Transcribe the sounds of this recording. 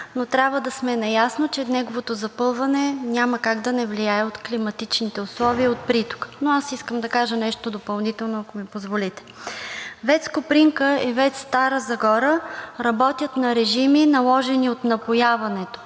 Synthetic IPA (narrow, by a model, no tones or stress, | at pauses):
not̪ɾʲjabvəd̪ɐsmɛnɐjasnot͡ʃɛnɛɡovot̪ozɐpɤlˠvɐnɛnʲaməkaɡd̪ɐnɛvlijaɛot̪klimɐt̪it͡ʃnit̪ɛʊslˠɔviəot̪̚pɾit̪o̥knoasiskəmd̪ɐkaʒənɛʃt̪od̪opɐlˠnit̪ɛlˠnoɐkomipozvolit̪ɛ̥ | vɛt̪skopɾiŋkəivɛt̪st̪aɾəzɐɡɔɾəɾɐbɔt̪ʲjət̪nɐɾɛʒiminɐlˠɔʒɛniot̪nɐpojavɐnɛt̪o̥